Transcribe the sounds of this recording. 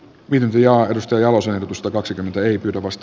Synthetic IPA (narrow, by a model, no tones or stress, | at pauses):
ʋiːt̪ynt̪æjɑːedust̪ɑjɑjɑlosenehrdot̪ust̪ɑkɑksikymːent̪æeipyːt̪æʋɑst̪